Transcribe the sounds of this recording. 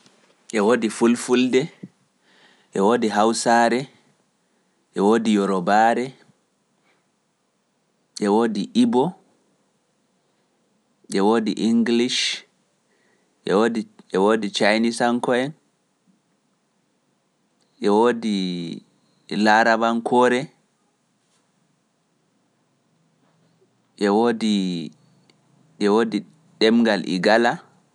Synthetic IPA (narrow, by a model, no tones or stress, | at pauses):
ʔɛwoːdifulfuldɛ | ʔɛwoːdiɦawsaɾɛ | ʔɛwoːdijɔɾɔbaːɾɛ | ʔɛwoːdiʔibɔ | ʔɛwoːdiʔiŋɡliʃ | ʔɛwodiʔɛwoːdit͡ʃajnisaŋkɔɛn | ʔɛwodi | laɾabankʰɔɾɛ | ʔɛwodi | ɛwodi | ɗɛmɡalʔḭɡala